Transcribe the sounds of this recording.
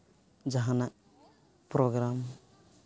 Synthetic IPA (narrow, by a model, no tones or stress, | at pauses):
d͡ʒaɦãnak̚ | pɾɔɡɾam